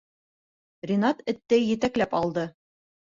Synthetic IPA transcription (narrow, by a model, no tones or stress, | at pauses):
rʲinɑt̪ɘ̆t̪ːɘjɘ̆t̪æklæpɑlˠd̪ɤ